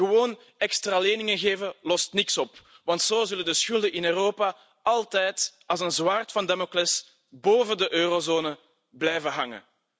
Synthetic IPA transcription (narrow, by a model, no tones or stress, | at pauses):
əʋoːn | ɛkstraːleːnɪŋənɣeːvəlɔstnɪksɔp | ʋɑntsoːzʏləndəsxʏlˠdəʔɪnøːroːpa | ɑlˠtɛjtɑlˠzənzwaːrtfɑndɛmoklɛs | boːvəndəʔøːrozoːnə | blɛjvəɦɑŋə̰